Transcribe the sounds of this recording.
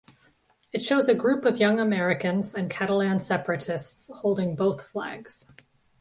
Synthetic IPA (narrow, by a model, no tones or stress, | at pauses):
ɨtʃoʊzɨɡɹʉpʌvjʌ̃ŋəmɛɹɨkɨ̃nzɨ̃nkʰæɾəl̩æ̃nsɛpɹɨɾɨstshoʊlˠdɪ̃ŋboʊθflæ̰ɡz̥